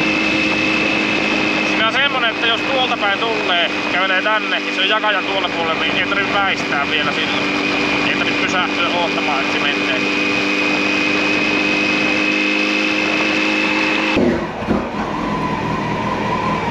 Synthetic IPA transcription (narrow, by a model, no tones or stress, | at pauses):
siːnæsemːoneʔet̪ːæjost̪uolt̪ɑpæint̪ulːeː | kæyleːt̪ænːeniseojjɑkɑjɑnt̪uolt̪ɑpuolelninniet̪riʋʋæist̪æːʋʋielæsilːon | it̪ːrimpysæht̪øːloːt̪ːɑmɑːet̪sement̪ːe